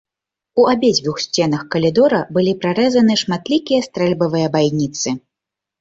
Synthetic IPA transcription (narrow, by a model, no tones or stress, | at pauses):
uabʲed͡zʲvʲuxsʲt͡sʲɛn̪ɐxkɐlʲid̪ɔɾɐbɨlʲipɾaɾɛzɐnɨʂmat̪lʲikʲijɐst̪ɾɛlʲbɐvɨjɐbajnʲit̪sɨ